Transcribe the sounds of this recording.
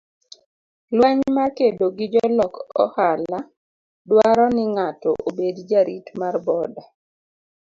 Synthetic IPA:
laɲmakedoɡɪd͡ʒɔlɔkɔ̰hala | dwaɾɔnɪŋatɔ̰ʔobedd͡ʒaɾitmarbɔda

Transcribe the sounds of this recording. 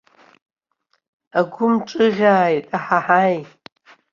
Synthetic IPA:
aɡʷʊmʈ͡ʂʼɨʁʲaːjtʼaħaħaːj

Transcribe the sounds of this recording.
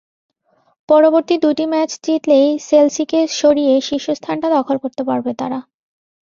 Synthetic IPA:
pɔɾoboɾt̪id̪uʈimɛt͡ɕdiʈlejselsikeʃoɾijeʃiʃost̪ʰanʈad̪ɔkʰolkoɾt̪epaɾbet̪aɾa

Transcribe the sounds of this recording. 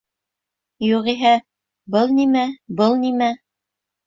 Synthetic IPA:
juʁiɦæ | bɤlˠnimæbɤlˠnimæ

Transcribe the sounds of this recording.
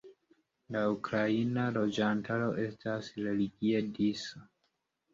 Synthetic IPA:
laukɾainalo̞d͡ʒantʰaɾo̞ʔe̞stʰasɾe̞liɡiediso

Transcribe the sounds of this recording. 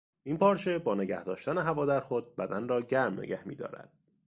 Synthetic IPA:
ʔinpɒːɾt͡ʃʰe̞bɒːneɟæ̰hd̪ɒːʃt̪æne̞ɦævɒːd̪æɾxod̪̚bæd̪ænrɒːɟæɾmnḛɡɟæhmḭːd̪ɒ̰ːɾæ̰d̪̥̚

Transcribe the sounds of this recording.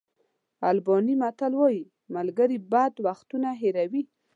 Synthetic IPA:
albɔnimat̪alwɑji | malɡəɾibad̪waxt̪unaɦeɾawi

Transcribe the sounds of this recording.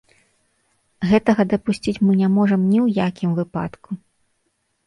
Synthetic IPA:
ɣɛt̪ɐɣɐd̪ɐpusʲt͡sʲit͡sʲmɨnʲamɔʐɐmnʲiwjakʲimvɨpa̰t̪kʰu

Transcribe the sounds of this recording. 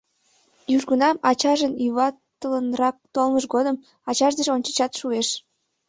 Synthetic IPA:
jyʒɣənɑmɑt͡ɕɑʒənjyβɑt̪ələnrɑk̚t̪olməʃ̬ɡod̪əm | ɑt͡ɕɑʒd̪eʒonʲt͡ɕə̥t͡ɕɑt̪ʃueʃ

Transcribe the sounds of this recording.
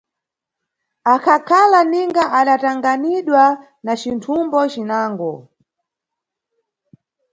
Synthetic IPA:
akʰakʰalaniŋɡaʔaɗataŋɡaniɗwa | nat͡ʃintʰumbɔt͡ʃinaːŋɡɔ

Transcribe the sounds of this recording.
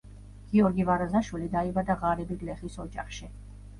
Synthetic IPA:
ɡ̥iɔɾɡivaɾazaʃwilid̪aibad̪aʁaɾɛbiɡlɛχisɔd͡ʒa̰χʃi

